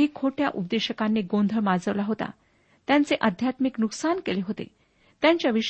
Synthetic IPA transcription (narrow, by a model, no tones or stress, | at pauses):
ɦikʰoʈʰjaʔup̚d̪eɕəkanːeɡond̪ʱəɭmad͡zəʋlaɦot̪a̰ | t̪jãnt͡seʔəd̪ʱjat̪miknuksankeleɦot̪ḛ | t̪jãɲt͡ɕjaʋiʂ